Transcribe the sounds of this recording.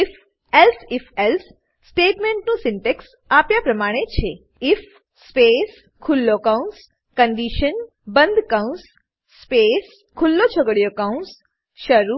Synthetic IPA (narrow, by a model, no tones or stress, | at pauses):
ɪf | elsɪfelsː | ʈeʈmẽɳʈnũsɪɳʈeks | apjapɾəmaɽ̃et͡ʃʰe | ɪfː | pes | kʰʊlːokawũns | kəɳɖiʃən | bənd̪ʱkawũnsː | pes | kʰʊlːot͡ʃʰəɡəɽjokaũns | ʃəɾu